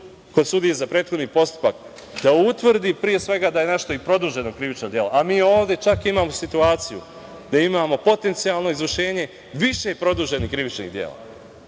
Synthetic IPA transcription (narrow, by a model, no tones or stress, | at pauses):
ko̞d̪sud̪ijezapɾeːt̪xo̞d̪nipo̞st̪u̥pak | d̪̥aut̪ʋr̩d̪ipɾije̞sʋe̞ɡad̪aje̞naʃt̪o̞ipɾo̞d̪uːʒe̞nokɾiʋit͡ʃnod̪je̞loʔamiːo̞ːʋd̪e̞t͡ʃakimaːmo̞sit̪uaːt̪sijṵ | d̪̥aimamo̞po̞t̪e̞nt̪sialˠno̞izʋəʃe̞ːɲe̞ | ʋiʃe̞pɾo̞d̪uːʒe̞nikɾiʋit͡ʃnḭɣd̪jḛla̰